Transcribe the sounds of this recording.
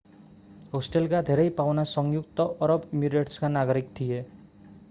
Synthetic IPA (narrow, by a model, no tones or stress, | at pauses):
ɦosʈelkad̪ʱeɾejpawnasɔŋjuk̚t̪ɔʔːɾɔbimiɡɾeʈskanaɡɔɾikt̪ʰije